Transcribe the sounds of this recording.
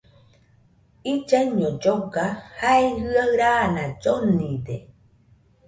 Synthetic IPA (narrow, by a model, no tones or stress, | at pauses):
id͡ʒeɲõd͡ʒoɡahaehɨaɨɾanãd͡ʒonĩd̪e